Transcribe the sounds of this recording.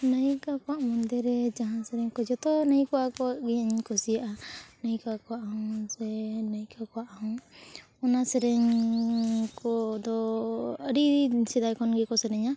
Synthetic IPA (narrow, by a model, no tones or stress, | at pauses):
nəjikakɔwaʔmɔnd̪ɛɾɛd͡ʒaɦãsɛɾɛɲkɔd͡ʒɔt̪ɔnəjkɔwakɔwaʔɡiɲəɲkɔsijaʔanəjkakɔwaʔaɦɔ̃sɛnəjkakɔwaʔahɔ̃ | ɔnasɛɾɛɲ | kɔd̪ɔəɾisɛd̪ajkɔnɡɛkɔsɛɾɛɲa